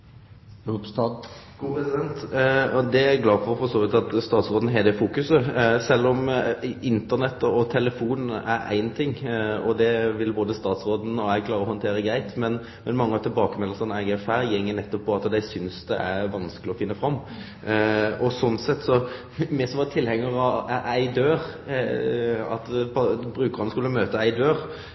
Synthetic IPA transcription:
sɡupʰɾɛsɪd̪ɛnt̪ɔd̪ɛæɾɡlɑːfɔɾfɔsoːʋɪt̪ɑt̪st̪ɑːt̪sʁoːd̪n̩ɦɛd̪ɛfuːkʉsəsɛlːɔmɪnt̪ənɛt̪ːəɔt̪ʰɛləfuːnæɾæ̰ɪnt̪ʰɪŋːɔd̪ɛʋɪlboːd̪əst̪ɑːt̪sɾoːd̪n̩ɔæɡkʰlɑːʁəɔhɔnt̪ʰeːɾəɡɾæɪt̪mɛn | mɛnmɑŋːəɑt̪ʰɪlbɑːkəmɛlːəʁsɑnæɪɡɛfæːɾjɛŋːənɛt̪ːɔpʰːɔɑt̪d̪æɪsʏnsd̪ɛ̰ʔæɾʋɑnskəlɪɔfɪnːəfɾɑmː | ɔsɔnsɛt̪ːsɔ | mɛsɔmʋɑt̪ʰɪlhɛŋːəʁɑʔæɪd̪øːɾ | ɑ̰t̪pʰɑbɾʉːkəʁɑnskʉlːəmøːt̪əæɪd̪øːʁ

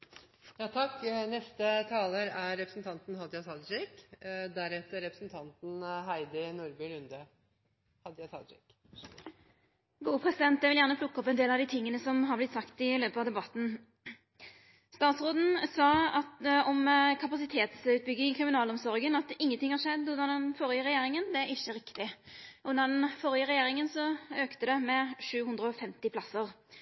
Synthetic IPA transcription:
jɑːt̪ʰɑkːnɛst̪ət̪ʰɑːləɾæɾːɛpɾəsn̩t̪ʰɑnt̪n̩hɑd̪jɑt̪ʰɑd̪d͡ʒɛkd̪æɾɛt̪əɾːɛpɾəsn̩t̪ʰɑnt̪n̩ɦæɪd̪ənʊɾbɪlʉnd̪ə | hɑd̪jɑsʰɑ̰d̪t͡ʃɛk | ɡuːəpʰʁɛsɪd̪ɛnt̪d̪ɛʋɪljæːʁnəpʰlʊkːəɔpɛnd̪eːlɑʋd̪iːt̪ʰɪŋːənəsɔmɦɑʁblɪt̪sɑkt̪ɪløːpəɑʋd̪ɛbɑt̪ːn̩ | st̪ɑːt̪sʁoːd̪n̩sɑːɑt̪ɔmkʰɑpɑsɪt̪ʰeːt̪sʉːt̪̚bʏɡːɪŋɪkʰʁɪmɪnɑːlɔmsɔɾɡənɑt̪ɪŋːənt̪ɪŋhɑʁʂɛd̪ːʊnɑd̪ɛnfɔɾɪəɾɛjeːɾɪŋənd̪ɛæɾɪçːəɾɪkt̪ɪʔʊnːɑd̪ɛnfɔɾɪəʁɛjeːɾɪŋənsɔøːkt̪əd̪ɛmɛʂʉːhʉnd̪ɾəɔfɛmt̪ɪpʰlɑsəʁ

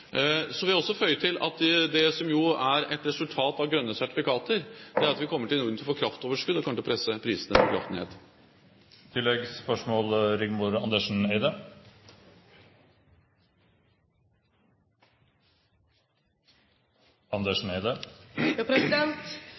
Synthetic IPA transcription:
sɔʋɪhæɾɔsːɔfœʏət̪ʰɪlɑ̰t̪d̪ɛsɔmjʊæɾɛt̪ɾɛsʉlt̪ʰɑːt̪ɑʋɡɾœnːəsæʈɪ̥fɪkʰɑːt̪əɾd̪̥ɛæɾɑt̪ʋɪkʰɔmːəʈɪlnuːɾd̪nɪlfoːkʰɾɑft̪oːʋəʂkʉd̪ːɔkʰɑmːlpʰɾɛsːəpʰɾiːsənəfɔkʰɾɑ̰ft̪nhḛːt̪ | t̪ʰɪlːɛɡspœʂmoːlɾɪɡmʊɾɑnd̪eʂɳ̩n̩eɪd̪ə | ɑnd̪eʂɳ̩eɪd̪ə | pɾɛsɪd̪ɛnt̪

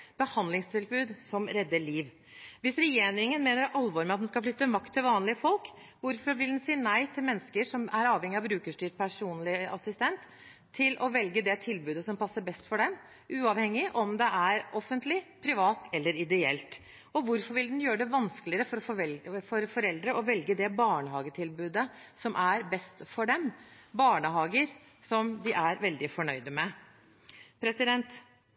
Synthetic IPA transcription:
b̥əhɑnd̪lɪŋst̪ʰɪlbʉːd̪sɔmɾɛd̪ːəɭiːʋ | ʋɪsɾɛjeːɾɪŋənmeːnəɾʔɑlʋɔːɾmɛɑt̪d̪nskɑflʏt̪ːəmɑkt̪ʰːɪlʋɑːnlɪəfɔlk | ʋʊɾfɔɾʋɪld̪ɛnsiːnæɪt̪ʰɪlmɛnːəskəʂɔmæɾɑːʋhɛŋɪɑʋbɾʉːkəʂʈyːʈ̚pʰæʂuːnlɪɑsɪst̪ɛnt̪ʰː | ɪlʔɔʋɛlɡəd̪ɛt̪ʰɪlbʉːd̪əsɔmpʰɑsːəbɛst̪fɔɖɛm | ʔʉːɑʋhɛŋːɪʔɔmd̪ɛʔæɾɔfːənt̪lɪpʰɾɪʋɑːt̪ɛlːəɾɪd̪ɛɛ̰lt̪ | ɔʋʊɾfɔɾʋɪld̪ɛnjøːɾəɖ̪ɛʋɑnskəlɪəɾəfɔɾɔfɔɾfɔɾɛld̪ɾəʔɔʋɛlɡəd̪ɛbɑːɳəɦɑːɡət̪ʰɪlbʉːd̪əsɔmʔæɾbɛst̪fɔɖɛmbɑːɳəɦɑːɡəɾ | sɔmd̪ɪʔæɾʋɛld̪ɪfɔɳœʏd̪əmɛ | pʰɾɛsɪd̪ɛnt̪

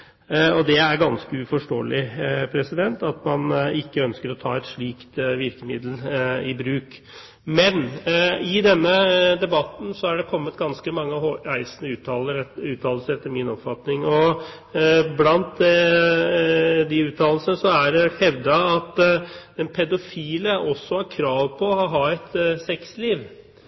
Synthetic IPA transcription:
ɔd̪ɛæɾɡɑnskəʉfɔʂʈoːəlʔɪpʰɾɛsɪd̪ɛnt̪ɑt̪mɑnɪkːəœnskəɾɔt̪ʰɑ̰ːɛt̪ʂɭiːkt̪ʋɪɾkəmɪd̪l̩ɪbɾʉːk | mɛnɪd̪ɛnːəd̪ɛbɑt̪n̩sɔæɖɛkʰɔmːət̪ɡɑnskəmɑŋːəæɪsənəʉːt̪ɑləɾʉːt̪ʰɑːll̩səɾɛt̪ːəɾmɪnɔpfɑt̪nɪŋɔ | blɑnt̪̚ɛ | d̪ɪʉːt̪ʰɑːll̩sənəʂɔæɖɛɛhɛʋd̪əɑt̪d̪̥ɛnpʰɛd̪ʊfiːləʔɔsːɔhɑɾkʰɾɑːʋpʰɔːhɑɦɑːɛt̪sɛksliːʋ

